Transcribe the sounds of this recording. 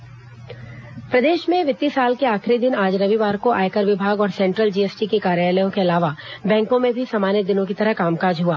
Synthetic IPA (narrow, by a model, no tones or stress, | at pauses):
pɾɐd̪eːʃmẽʋɪt̪ːisaːlkeaːxɾid̪ɪnaːd͡ʒɾɐʋiʋaːɾkoʔa̰ːjkəɾʋɪbʱaːɡɔːɾsɛ̃ːɳʈɾəld͡ʒiːeːsʈikekaːɾjaːləjõkeɐlaːʋabɛ̃ːŋkõmẽbʱisaːmaːnjəd̪ɪnõk̬it̪ɐɾəɦkaːmkaːd͡ʒɦuaː